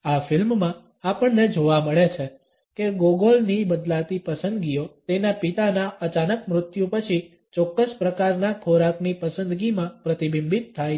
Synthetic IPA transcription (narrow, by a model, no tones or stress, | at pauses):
afɪlmːã | apəɳned͡ʒoʋaməɭet͡ʃʰe | keɡoɡolnibəd̪lat̪ipəsənd̪ɡiot̪enapit̪anaət͡ʃanəkmɾʊt̪jũpət͡ʃʰi | t͡ʃɔkːəspɾəkaɾnakʰoɾaknipəsənd̪ɡimãpɾət̪ibimbit̪ʰːaj